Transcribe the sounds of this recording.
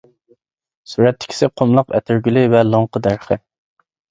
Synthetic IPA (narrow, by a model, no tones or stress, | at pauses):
suɾɛt̪ʰːɪ̥kʲʰi̥sɪqʰomlˠəqɛ̰t̪ʰɪɾɡʲylɪvɛlˠoŋqʰəd̪æɾχɪ̰